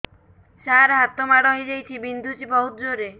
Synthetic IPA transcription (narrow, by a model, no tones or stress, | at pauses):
saɾɦat̪ɔmaɽɔɦjd͡ʒajt͡ʃʰibind̪ʱut͡ʃibɔɦut̪d͡ʒoɾe